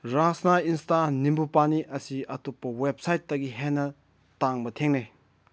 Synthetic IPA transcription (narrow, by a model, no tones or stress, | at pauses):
ɾasnainstanimbupaniʔɐsiɐtupːɐwep̚sajt̚ːɐɡiɦenːɐ | taŋbɐtʰeŋne